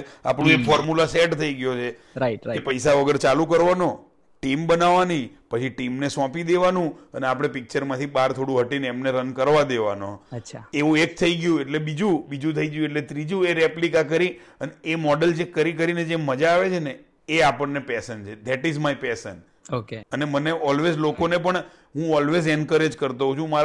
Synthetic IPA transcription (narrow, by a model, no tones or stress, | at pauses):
a̰pñõekfɔɾmulaseʈt̪ʰəiɡjot͡ʃʰe | akepəjsaʋəɡəɾt͡ʃalũkəɾʋano | ʈimbənaʋanipət͡ʃʰiʈimnesɔ̃pid̪eʋanũəneapɽ̃epɪk̚t͡ʃəɾmãt̪ʰibaɾt̪ʰoɽũɦəʈineɛmneɾənkəɾʋad̪eʋa̰no̰əʃʰaeʋũek̚t̪ʰəiɡjũeʈlebid͡ʒubid͡ʒũt̪ʰəiɡjũeʈ̬let̪ɾid͡ʒũeɾeplikakəɾiəneemɔɖəld͡ʒekəɾik̬əɾined͡ʒeməd͡ʒaːʋet͡ʃʰeneː | apəɳːepɛsənt͡ʃʰed̪ɛʈizmajpɛsən | okeəneməneʔɔlʋezlokonepəɳ | ɦũɔlʋezɛnkəɾed͡ʒkəɾt̪oɦũt͡ʃʰũmaɾ